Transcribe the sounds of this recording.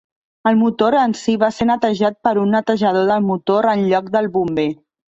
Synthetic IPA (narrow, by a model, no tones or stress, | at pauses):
əlˠmut̪oɾənsiβasenət̪əʒat̪̚pəɾunːət̪əʒəð̞oðəlˠmut̪oɾənʎɔk̚d̪əlˠβumbe